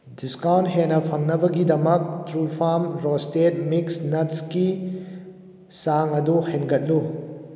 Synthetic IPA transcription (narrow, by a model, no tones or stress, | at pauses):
diskawntɦenɐpʰɐŋnɐbɐɡidɐmɐk̚tɾulpʰamɾostet̚miksnɐtski | saŋɐduhenɡɐt̚lu